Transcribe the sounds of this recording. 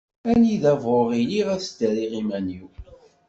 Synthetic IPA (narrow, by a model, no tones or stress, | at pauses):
æniðævʁoʁiliʁæθd̪əɾiʁimæniw